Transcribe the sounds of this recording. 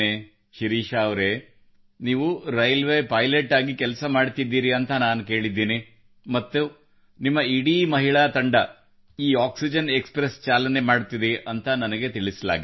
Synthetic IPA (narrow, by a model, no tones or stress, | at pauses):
e | ʃiɾiːʃaːʋɾe | niːʋuɾɐjɐlʋeːpɐjleʈaːɡikɛlɐsɐmaːɖt̪id̪ːiːɾiɐnt̪ɐnaːnuke̞ːɭid̪ːiːni | mɐt̪ːu | nimːɐiɽiːmɐɦiɭaːt̪ɐɳɖɐ | iːaːksid͡ʒɐnekspɾest͡ʃaːlɐne̞maːɖt̪id̪iʔɐnt̪ʰɐnɐnɐɡe̞t̪iɭisla̰ːɡi